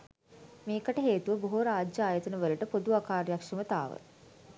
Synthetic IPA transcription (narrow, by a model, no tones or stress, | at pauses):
meːkəʈəɦeːt̪uʋəboɦoɾaːd͡ʒjəaːjət̪ənəʋələʈəpod̪uakaːrjakʂəmət̪a̰ːʋə̰